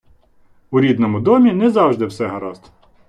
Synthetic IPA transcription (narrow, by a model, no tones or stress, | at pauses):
ʊɾʲid̪nɔmʊd̪ɔmʲinɛzɑwʒd̪ɪwsɛɦɐɾɑst̪